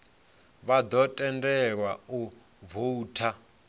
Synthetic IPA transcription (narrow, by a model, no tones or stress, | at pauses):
βad̪ɔtʼɛndɛɺwau | vuːtʰa